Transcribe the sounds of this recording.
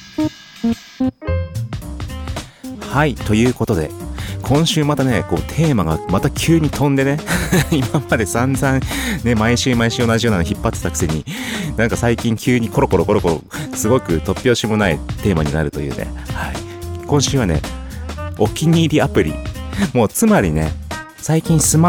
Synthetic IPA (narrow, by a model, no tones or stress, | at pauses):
hait̪o̞jɯ̟ːko̞t̪o̞d̪e̞̰kʰõ̞ɰ̃ɕɨːmat̪ane̞ko̞ːt̪ʰe̞ːmaɡamat̪akʲʰɨːɲ̟it̪õ̞nd̪e̞ne̞imamad̪e̞sãnzãŋne̞maiɕɨːmaiɕɨːo̞naʑijo̞ːnanoçipːat̪ːe̥t̪akɯ̥seɲ̟inãŋkasaikʲĩŋkʲɨːɲ̟iko̞ɾo̞ko̞ɾo̞ko̞ɾo̞ko̞ɾo̞̰ | sɨɡo̞kɯ̟t̪o̞pʲːjo̞ːɕimo̞naḭt̪e̞ːmaɲ̟ina̰ɾɯ̟t̪o̞jɯ̟̰ːne̞̰ | haḭkõ̞ɕɨːβane̞̰ | o̞kʲiɲ̟iːɾʲiapɯ̟ɾʲḭmo̞ːt͡sɨmaɾʲḭne̞̰ | saikʲĩɰ̃sɨma